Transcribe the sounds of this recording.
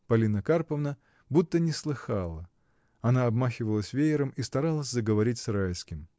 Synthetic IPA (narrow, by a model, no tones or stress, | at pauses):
pɐlʲinəkarpəvnə | but̪ːənʲɪslˠɨxɑlˠə | ɐnaɐbmaxʲɪvəlˠəsʲvʲejɪɾəmist̪ɐɾalˠəsʲzəɡəvɐɾʲitʲsrajskʲɪm